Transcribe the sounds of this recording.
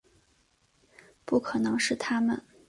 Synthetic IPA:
pu˥˩kʰɤ˨˩nɤ˧˥ŋʂɻ̩˥˩t̪ʰa˥mə̰˨n

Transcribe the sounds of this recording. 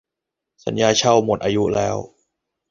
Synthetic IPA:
sa˩˦njaː˧t͡ɕʰa˥˩wmo˨˩t̪̚ʔaː˧ju˦˥lɛː˦˥w

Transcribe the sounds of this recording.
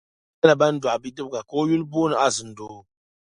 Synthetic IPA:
ɛ˦la˨ba˦n̩˦dʷa˨bi˦dɨ˦bɡa˨ko˦ju˦lboː˦nɨ˨ʔa˦zɨ˨n̩˨do˨

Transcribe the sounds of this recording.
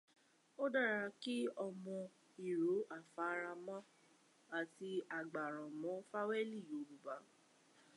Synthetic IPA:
o˦da˦˨ɾa˧ki˦ɔ˧mɔ̃˧ | i˨ɾo˨˦a˦˨fa˨˦ɾa˧mã˦ | a˨ti˧a˨ɡ͡ba˨ɾ̃ɔ̃˨mɔ̃˨˦fa˦wɛ˦li˦˨o˨lu˨ba˨˦

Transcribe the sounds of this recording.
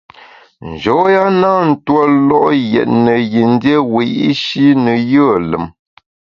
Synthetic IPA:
n̩˨d͡ʒɔ˨˦ja˦na˦n̩˦twɔ˦lɔ˦ʔjɛ̰˨t̚nə˨ji˨n̩˦dje˦wi˨˦ʔi˦ʃi˦nə˨jə˦˨lə̰˨m

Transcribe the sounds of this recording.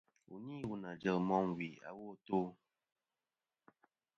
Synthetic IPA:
ṵ˨ɲi˦wu˦na˨d͡ʒə˨mɔ˦m˨wi˨a̰˨wo˦˨to˦

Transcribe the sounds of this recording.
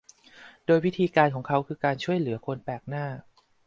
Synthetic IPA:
doː˧jwi˦˥t̪ʰiː˧kaː˧nkʰɔː˩˦ŋkʰa˦˥wkʰɯː˧kaː˧nt͡ɕʰu˥˩əjlɯ˨˩˦ɐkʰo˧npɛː˨˩k̚naː˥˩

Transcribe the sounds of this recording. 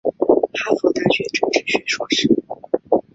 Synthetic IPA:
xʰa˥fɔ˥˧˥t̪a˥˩ɕɥɛ˧˥ʈ͡ʂɤ˥ʈ͡ʂɻ̩˥˩ɕɥɛ˧˥ʂwɔ˥˩ʂɻ̩˥˩

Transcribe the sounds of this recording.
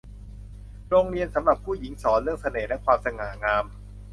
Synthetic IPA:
ɾoː˧ŋɾi˧ənsa˩˦mɾa˨˩pʰːuː˥˩ji˩˦ŋsɔː˩˦nɾəŋsa˧neː˨˩lɛ˦˥kʰwaː˧msa˧ŋaː˩˦ŋaː˧m

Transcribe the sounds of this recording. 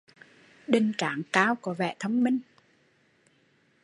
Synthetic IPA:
ɗe˨˧˩nt͡ɕaː˨˩ŋkaː˧wkɔ˨˦vɛ̰˧˨t̪ʰə˧wŋ͡mmï˧ŋ̟

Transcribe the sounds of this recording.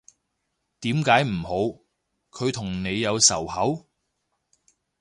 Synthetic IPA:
t̪iː˨˥mkaː˨˥jm̩˨˩ho˨˧w | kʰɵ˨˧ɥt̪ʰʊ˨˩ŋne˨˧jːɐ˨˧wsɐ̰˨˩whɐ˨˥w

